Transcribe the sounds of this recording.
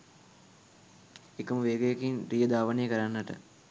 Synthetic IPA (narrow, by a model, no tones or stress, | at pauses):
ekəməʋeːɡəjəkinɾijəd̪aːʋənejəkəɾanːəʈə̰